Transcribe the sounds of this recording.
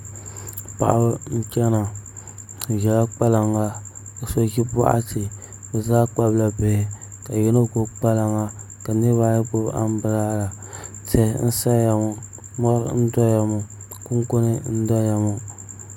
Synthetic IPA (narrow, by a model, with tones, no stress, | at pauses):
pa̰˨ʔa˨bn̩˦t͡ʃʲɛ˦na˨ | ʒɛ˨la˦k͡pa˦la˨ŋa˦ | o˨so˦ɡi˦ba̰˦ʔa̰˦ti˨ | bɛ˨zaː˦k͡pa˦bla˨be˨ka˨jɛ˦no˦ɡo˨k͡pa˦la˨ŋa˦ | ka˨nɨ˦βa˦ja˦bo˦ba̰˦m˦bɨ˦ɾa˦la˨ | tɛ˦˨˦n̩˦sa˦ja˨mu˨ | mɔ˦ɾ̰n̩˦dɔ˦ja˨mu˨ | ku˦ŋko˦nɨ˦n̩˦dɔ˦ja˨mu˨